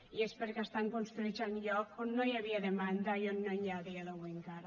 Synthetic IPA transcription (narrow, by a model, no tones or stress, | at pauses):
iespeɾkast̪aŋkonst̪ɾuit͡ʃanʎɔkonːojaβiaðemand̪ajonːoɲaðialoɣweŋkaɾ